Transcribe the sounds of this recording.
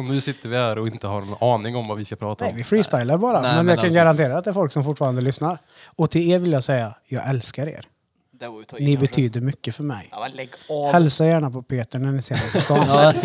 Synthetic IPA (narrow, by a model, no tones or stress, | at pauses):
ɔnʉ̟ːsɪt̪ːəɾvɪhæɾɔɪnt̪əhaɾnnɑːnɪŋɔmvavɪskapʰɾɑːt̪aɛvɪfɾiːst̪ajlaɾbɑːɾamɛnjɑːkanɡaɾant̪ʰeːɾaːt̪̚d̪ɛæɾfɔlksɔmfʊʈfɑːɾand̪əlʏsnaɾ | ɔt̪ʰɪleːɾvɪljaːɡsɛjːajɑːɡɛlskaɾḛːɾ | nɪbɛt̪ʰyːd̪əɾmʏkːəfœɾmɛ̰j | hɛlsajæːɳapʰɔpʰeːt̪əɳæɳɪseːnast̪ɔn